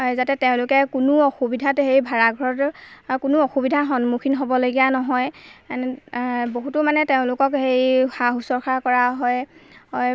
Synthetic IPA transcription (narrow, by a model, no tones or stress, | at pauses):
zatɛteʊ̃lʊkɛkunuɔxubidʱatɦejbʱaɹaɡʱɔɹɔtkunuoxubidʱaxɔnmukʰinɦobɔloɡijanɔɦɔj | boɦutʊmanɛteʊ̃lʊkɔkhejxaxusɔɹxʰakɔɹaɦɔjɔj